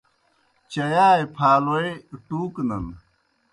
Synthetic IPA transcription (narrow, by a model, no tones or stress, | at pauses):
t͡ɕɐjaːjpʰaːloeʈuːknɐn